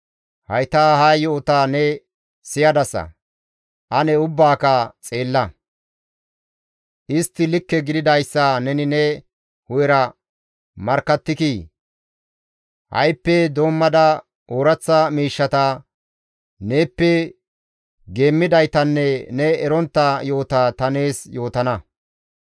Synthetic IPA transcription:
hɐjt̪aːhaːjɔɔt̪aːnɛ | sɪjɐd̪ɐsːɐ̰ | ʔɐnɛʊbːaːkɐt͡sʼe̞ːlːɐ | ʔɪst̪ːɪlɪkːɛɡɪd̪ɪd̪ɐjsːanɛnɪnɛ | hʊjɛɾɐ | mɐɾkːɐt̪ːɪkiː | hɐ̰jpːɛd̪o̞ːmːɐd̪ɐ | oːɾɐt͡sːɐmiːʃːɐt̪ɐ | ne̞ːpːɛ | ɡe̞ːmːɪd̪ɐjt̪ɐnːɛnɛɛɾɔnt̪ːɐjo̞ːt̪at̪ɐne̞ːsjo̞ːt̪ɐnɐ

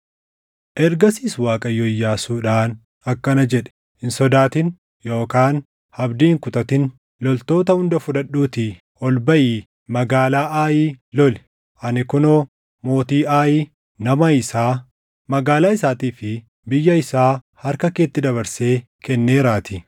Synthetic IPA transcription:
ʔɛɾɡɐsiːswaːkʼɐjːɔɪjːaːsuːᶑaːn | ɐkːɐnɐd͡ʒɛᶑɛ̥ | ɪnsɔd̪aːt̪ɪn | jo̞ːkaːn | hɐbd̪iːŋkʊt̪ʼɐt̪ɪn | lɔlt̪o̞ːt̪ɐhʊnd̪ɐfʊᶑɐɗːuːt̪ɪ | ɔlbɐʔiː | mɐɡaːlaːʔaːjiːlɔl | ʔɐnɪkʊnoː | mo̞ːt̪iːʔaːjiː | nɐmɐɪsaː | mɐɡaːlaːɪsaːt̪iːfɪ | bɪjːɐɪsaː | hɐɾkɐke̞ːt̪ːɪd̪ɐβɐɾse̞ː | kɛnːe̞ːɾaːt̪ɪ

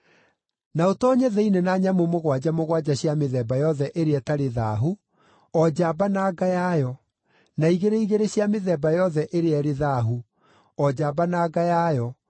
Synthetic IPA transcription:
naotɔːɲɛðɛinenaːɲamomoɣwad͡ʑamoɣwad͡ʑaɕjameðɛːbajɔðɛʔeɾeɛtaɾeðaːɦu | ɔd͡ʑabanaːɡajajɔ | naiɣeɾeiɣeɾeɕjameðɛbajɔðɛʔeɾeɛɾeðaːɦu | ɔd͡ʑaːbanaːɡajajɔ

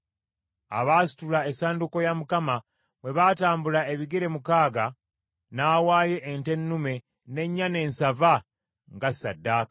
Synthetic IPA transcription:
a̰βaːsi̥tulaesaːnduko̞jamukama | βwe̞βaːtaːmbulae̞βiɡeɾe̞mukaːɡa | naːwaːje̞ʔːnte̞nːume̞ | ne̞ɲːane̞ːnsava | ŋɡasadːaːkḁ

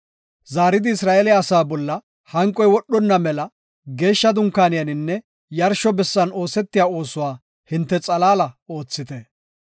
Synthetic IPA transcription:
zaːɾɪd̪ɪɪsɾaːʔelɪjaːsaːbɔlːɐ | hɐŋkʼːɔjwɔɗːɔnːɐmɛlɐ | ɡe̞ːʃːɐd̪ʊŋkːaːnɪjɐnɪnːɛ | jɐɾʃɔbɛsːɐno̞ːsɛt̪ːɪjaːo̞ːsʊwaː | hɪnt̪ːɛt͡sʼɐlaːlɐo̞ːt͡sːɪt̪ɛ

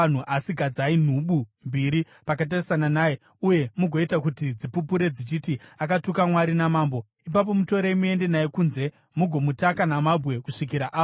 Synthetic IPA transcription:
n̤uʔasiɡʱad͡zain̤uɓumbiɾi | pakatarisananaːje | uje̞muɡʱo̞itakutid͡zipupuɾe̞d͡zit͡ʃitiakatukamwaɾinamaːmbo̞ | ip̬ap̬o̞muto̞ɾeimue̞nde̞najekunze̞ | muɡʱo̞mutakanamabʱɣe̞kuʂikiɾaʔaː

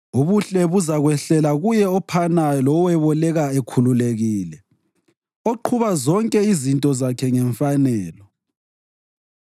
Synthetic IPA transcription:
uβuɬɛβuzaɣwɛɬɛlaɣujɛɔpʰanalɔwɛβɔlɛɣaekʰululeɣiːlɛ | oǃʰuβazɔŋkʼɛizintʼɔzakʰɛŋɛɱfanɛːlɔ

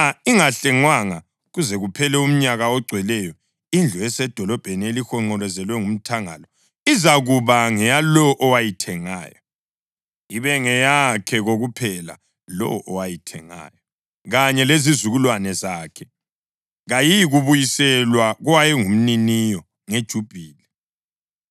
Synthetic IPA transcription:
aiŋaɬɛŋwaŋa | ɣuzɛɣupʰɛlɛum̩ɲaɣaɔɡ͡ǀʱwɛlɛjɔ | ind͡ɮʱɔɛsɛd̥ʱɔlɔb̥ʱenielixɔŋ͡ǃɔlɛzɛlwɛŋum̩tʰaŋa̰lɔ | izaɣuβaŋɛjalɔʔɔwajitʰɛŋa̰ːjɔ | iβɛŋɛjakʰɛɣoɣupʰɛla̰ | lɔ̰ʔɔwajitʰɛŋa̰ːjɔ | ɣaɲɛlezizuɣulwanɛzaːkʰɛ | ɣajijɣuβujisɛlwaɣwajɛŋum̩ninijɔ | ŋed̥ʒ̥ʱub̥ʱiːlɛ

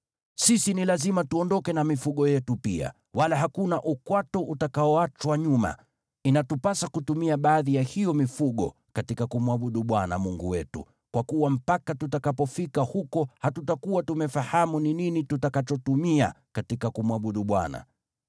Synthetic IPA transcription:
sisinilazimatuɔndɔkɛnamifuɠɔjɛtupḭa̰ | walaɦakunaʔukwatɔʔutakaɔat͡ʃwaɲuma̰ | inatupasakutumiaɓaːðijahijɔmifuɠɔ̰ | katikakumwaɓuɗuɓwana̰muŋɡuwɛtṵ | kwakuwam̩pakatutakapɔfikahukɔhatutakuwatumɛfahamunininitutakat͡ʃɔtumia̰katikakumwaɓuɗuɓwa̰na̰

